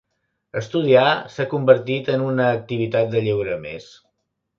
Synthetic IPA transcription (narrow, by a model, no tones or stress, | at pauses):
əst̪uð̞iasakumbəɾt̪it̪ənunəːk̚t̪iβ̞it̪at̪̚d̪əʎewɾəmḛs